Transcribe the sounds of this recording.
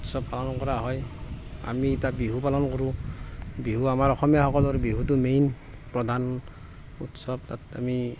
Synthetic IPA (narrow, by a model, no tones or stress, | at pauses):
utsɔbpalɔnkɔɹaɦɔja̰mitabiɦupalɔnkɔɹũ | biɦuamaɹɔxɔmijaxɔkɔlɔɾbiɦutumejn | pɹɔdʱan | ṵtsɔb̚tatami